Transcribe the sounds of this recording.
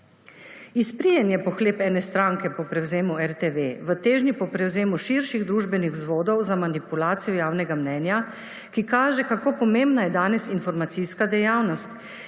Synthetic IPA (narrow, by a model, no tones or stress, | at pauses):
ispɾijɛnjɛpɔxleːpɛːnɛst̪ɾaːŋkɛpɔpɾɛwzeːmuɛɾt̪eʋeʋət̪eːʒnipɔpɾɛwzeːmuʃiɾʃiɣd̪ɾuːʒbɛnixwzʋoːd̪ɔwzamanipulaːt̪sijɔjaːwnɛɡamnɛːnja | kikaːʒɛkakoːpɔmembnajɛd̪aːnɛsinfɔɾmat̪siskad̪ɛjaːwnɔst̪